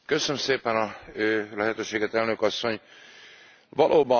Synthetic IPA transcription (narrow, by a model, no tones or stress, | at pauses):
kø̞sønmseːpɛnɒølɛɦɛt̪øːʃeːɡɛt̪ɛlnø̞kɒsːo̞ɲ | vɒlʔoːbɒ